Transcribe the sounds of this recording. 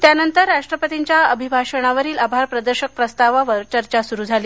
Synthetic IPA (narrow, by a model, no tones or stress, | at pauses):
t̪janənt̪əɾːaʂʈɾəpət̪iɲt͡ɕjaəbʱibʱaɕəɽ̃aʋəɾiːlabʱaɾpɾəd̪əɾɕək̚pɾəst̪aʋaʋəɾt͡ɕəɾt͡ɕasuɾud͡zʱaliː